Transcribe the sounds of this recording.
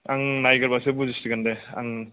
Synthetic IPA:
aŋnajɡɯɾbasebuzistiɡandea̰ŋ

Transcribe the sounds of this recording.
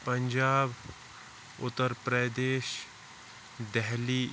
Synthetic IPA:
pəɲd͡ʒaːb | ʊt̪ːəɾpɾəd̪eːʃ | d̪ɛɦli

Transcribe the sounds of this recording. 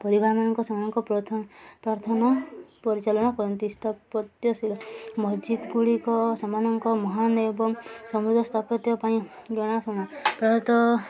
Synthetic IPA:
pɔɾibaɾmanɔŋkɔsɔmanɔŋkɔpɾɔt̪ʰpɾaɾt̪ʰɔnɔpɔɾit͡ʃalɔɽ̃ɔkɔɾɔnt̪ist̪ʰapɔt̪jɔsilmɔsd͡ʒid̪ɡuɭikɔsɔmanɔŋkɔmɔɦanebɔŋsɔmud̪ʱɔst̪ʰapɔt̪jɔpaĩ | ɡɔɽ̃asɔɽ̃apɾɔtɔt̪ɔ

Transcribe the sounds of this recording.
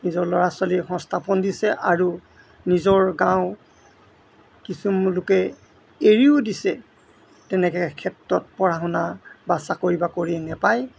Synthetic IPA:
nizɔɹlɔɹaswalixɔ̃nstʰapɔndisɛʔaɹu | nizɔɹɡãw̃ | kisumlʊkɛ | eɹiʊdisɛ | tɛnɛkɛkʰɛtɹɔt̚pɔɹaɦɔnabasakoɹibakoɹinɛpaj

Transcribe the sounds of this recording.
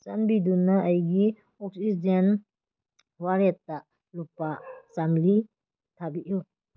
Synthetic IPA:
sanbidunaʔajɡi | ɔk̚sid͡ʒen | waɾetːaʔ | lupasamli | tʰabiʔju

